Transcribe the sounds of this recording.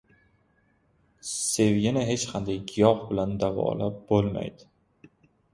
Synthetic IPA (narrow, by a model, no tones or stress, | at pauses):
se̞vjʲɪnaɦe̞t͡ʃqʰand̪ajkɪjɒqbɪland̪avɒ̰lap̚bolma̰jd̪ɪ